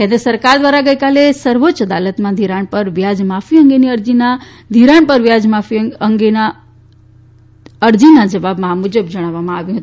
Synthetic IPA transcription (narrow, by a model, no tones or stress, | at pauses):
kẽnd̪ɾəsəɾkaɾd̪ʋaɾaɡəjkalesəɾʋot͡ʃəd̪alət̪mãd̪ʱiɾaɳpəɾʋjad͡ʒmafʰiəŋɡeniəɾd͡ʒina | d̪ʱiɾaɳpəɾʋjad͡ʒmafiəŋɡena | əɾd͡ʒinad͡ʒəʋabmãmud͡ʒəbd͡ʒəɽ̃aʋamãaʋjũɦət̪ũ